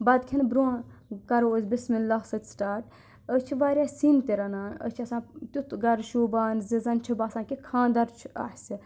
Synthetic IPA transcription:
bɐd̪kʲʰinbɾoːkɐɾoozʲbismilːaːɦsɐt̪ʲsʈaːɾʈ | ət͡ʃʰiʋaːɾʲjaːsint̪iɾɐnaːnə̰t͡ʃʰɐsãːt̪ut̪ɡɐɾʃuːbaːnzizɐnt͡ʃʰibaːsãːkikʰãːnd̪ɐɾt͡ʃʰɐ̰ħsʲi

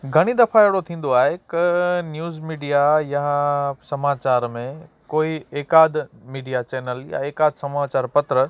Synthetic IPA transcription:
ɡʱɐɽ̃id̪ɐfaeɦɽot̪ʰĩːn̆d̪oaːɦekɪnjuːzmiːɖijajasɐmaːt͡ɕaːɾmẽkoːieːkaːd̪ʱmiːɖijat͡ɕeːnəlja̰eːkaːd̪sɐmaːt͡ɕaːɾpɐt̪ɾə

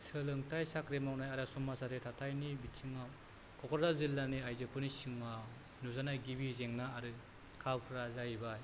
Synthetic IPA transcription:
sɯlɯŋtʰajsakɾemawnajaɾasumːasaɾɯtʰatʰajnibitsʰɯŋa | kʰɔkʰɔɾzazilːaniajzɯpʰɯnisɯŋa | nuzanajɡibizeŋnaːɾɯ | kʰawpʰɾazajbaj

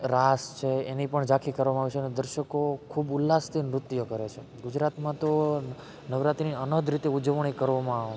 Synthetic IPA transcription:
ɾast͡ʃʰeenipəɳd͡ʒakʰikəɾʋamãaʋit͡ʃʰeːnod̪əɾʃəkokʰubulːast̪ʰinɾʊt̪jokəɾet͡ʃʰe | ɡud͡ʒɾat̪mãt̪o | nəʋɾat̪iniənəd̪ʱɾit̪eud͡ʒəʋɳ̃ikəɾʋomãaʋ

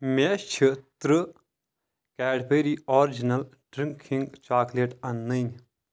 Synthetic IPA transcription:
met͡ʃʰit̪ɾɨ | kɛːɖpəjɾiɔːɾd͡ʒinɐlʈɾĩŋkʰiŋɡt͡ʃaːkleʈɐnːən

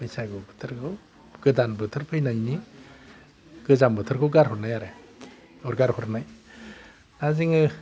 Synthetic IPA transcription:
pɯjsajɡɯwbɯ̥tʰɯɾkʰɯw | ɡ̥ɯdanbɯtʰɯɾpʰɯjnajni | ɡ̥ɯzambɯtʰɯɾkʰɯwɡaɾhɔɾnajaɾe | ɔɾɡaɾhɔɾnaj | naziŋɯ

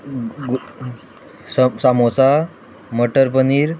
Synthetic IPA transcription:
ɡ | ssamot͡sa | məʈəɾpəniːɾ

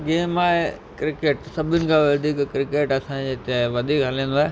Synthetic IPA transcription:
ɡeːmaːɦekɾɪkeːʈsɐbʱɪnɪ̆kʰãːʋɐd̪ʱiːkkɾɪkeːʈɐsãd͡ʑeːt̪eʋɐd̪ʱiːkɦɐlĩːn̆d̪oaːɦe

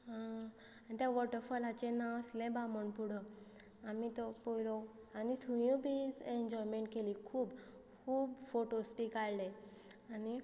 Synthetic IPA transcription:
ɦã | anit̪jãʋɔʈəɾfɔlat͡ɕenaʋslɛ̃baməɳpuɽə | amit̪ɔpojlɔanit̪ʰujũbʱiːeɲd͡ʑɔjmẽɳʈ̚kelikʰuːb | kʰuːbfoʈospikaɽlẽani

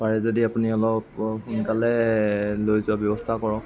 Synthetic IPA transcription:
paɹɛzodiapuniɔlɔp̚xunkalɛlojzʊabjɔbɔst̪ʰakɔɹɔk

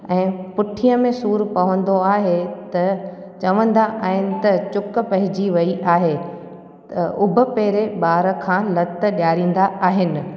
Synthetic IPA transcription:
ɛ̃ːpʊʈʰijəmẽsuːɾpɐʋə̃nd̪oaːɦet̪ɐ | t͡ɕɐʋə̃nd̪aʔaːɦɪnɪ̆t̪ɐt͡ɕʊk̆pɐɦɪd͡ʑiʋɐiʔaːɦe | t̪ɐʔʊbʱʊ̆peːɾeɓaːɾə̆kʰãːlɐt̪ɗjaːɾĩːn̆d̪aaːɦɪnɪ̆

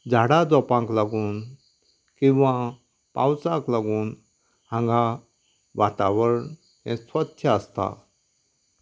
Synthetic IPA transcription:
d͡ʑʱaɽad͡zɔpãŋklaɡuːn | kĩʋã | pã̰wt͡sãklaɡuːn | hãŋɡa | ʋat̪aʋəɾəɳ | tɛ̰̃sʋət̪ʰjəast̪a̰

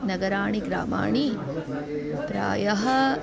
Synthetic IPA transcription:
nɐɡɐɾaːɳiɡɾa̰ːma̰ːɳi | pɾa̰ːjɐɦɐ

